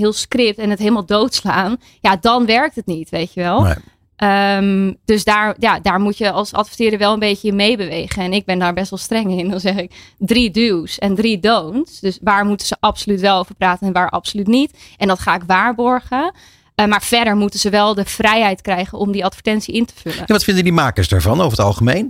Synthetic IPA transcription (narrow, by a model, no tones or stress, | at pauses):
ɦɪːlˠskrɪp̚tɛnətɦeləmalˠdowtslaːn | jadɑnʋɛɹk̚tətnitʋejtəʋɛlˠ | ʔəmd̥øsdaːɹjadaːɹmutjəɑlˠsɑ̰tfətɪːɾəɹʋɛlˠənbejçəɪnmejbəʋejχənɛnɪɡ̚bɛndaːɹbɛstʋɛlˠstrɛŋɪndɑnzɛχɪkdridysɛndridownsdøsʋaːɹmutənz̥əʔɑpsolytʋɛlˠowvəɹpraːtənɛnʋaːɹʔɑ̰psolytnitʔɛndɑtχaːɪkʋaːɹbɔɹχə | maːɹv̥ɛɹdəɹmutənzəʋɛlˠdəv̥rɛjɦɛjtkrɛjχənʔɔmdiɑtfəɹtɛntsiɪntə̥vɵlə̰njaʋɑtfɪndəndimaːkəsda̰ɹvɑnovəətɑlˠχəmejn